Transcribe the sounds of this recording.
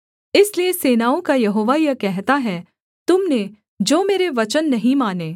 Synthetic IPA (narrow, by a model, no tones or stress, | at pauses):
ɪslieseːnaːõkajɐɦoːʋajɐkɛɦt̪aɦɛː | t̪ʊmne | d͡ʒoːmeːɾeʋɐt͡ʃənːɐɦĩmaːneː